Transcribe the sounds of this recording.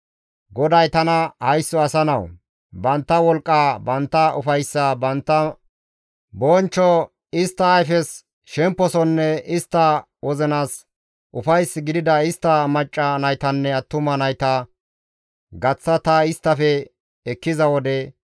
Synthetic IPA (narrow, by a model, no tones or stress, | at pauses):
ɡɔd̪ɐjt̪ɐnɐhɐjsːɔɐsɐnɐw | bɐnt̪ːɐwɔlkʼːaːbɐnt̪ːɐʊ̰fɐjsːɐbɐnt̪ːɐ | bɔːnt͡ʃːɔ | ɪst̪ːɐːjfɛs | ʃɛmpːɔsɔnːɛɪst̪ːɐ | wʔɔzɛnaːs | ʔʊfɐjsɡɪd̪ɪd̪ɐɪst̪ːɐmɐt͡ʃʼːɐnɐjt̪ɐnːɛɐt̪ːʊmɐnɐjt̪ɐ | ɡɐt͡sːɐt̪ɐɪst̪ːɐfɛ | ɛkːɪzɐwɔd̪ɛ